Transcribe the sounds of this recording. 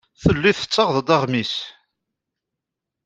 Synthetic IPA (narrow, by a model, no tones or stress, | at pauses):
θəlːiθə̥t͡sːɑʁðˤd̪ɑʁmis